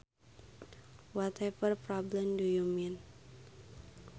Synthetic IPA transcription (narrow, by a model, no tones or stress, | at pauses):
wat̪ʰɛpərpɾɔblɛmdujumin